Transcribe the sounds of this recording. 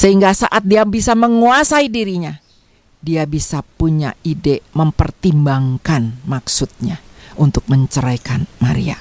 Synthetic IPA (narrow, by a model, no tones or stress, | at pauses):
səɦiŋɡasa̰ʔat̪̚diabisaməŋuasaidiɾiɲa | diabisapuɲa̰ideməmpərt̪imbaŋkanmaksʊt̪̚ɲaunt̪ʊk̚məɲt͡ʃəɾajkanmaɾḭa̰